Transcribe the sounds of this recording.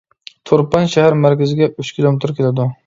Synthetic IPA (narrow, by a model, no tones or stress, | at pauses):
t̪ʰoɾpanʃahaɾmæɾkʲazɪɡʲayt͡ʃkʲʰilˠomet̪ɪɾkʲelad̪ʊ